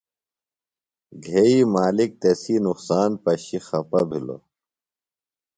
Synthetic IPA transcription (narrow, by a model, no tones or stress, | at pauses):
ɡʱeimaːlik̚t̪esinuqsaːnpɐɕixɐpɐbʱilo̰